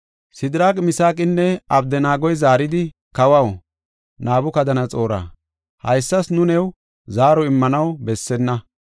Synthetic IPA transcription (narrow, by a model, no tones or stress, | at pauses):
sɪd̪ɪɾaːkʼmɪsaːkʼɪnːɛɐb̚d̪ɛnaːɡɔjzaːɾɪd̪ɪ | kɐwɐw | naːbʊkɐd̪ɐnɐt͡sʼo̞ːɾa̰ː | hɐjsːɐsnʊnɛw | zaːɾɔɪmːɐnɐwbɛsːɛnːɐ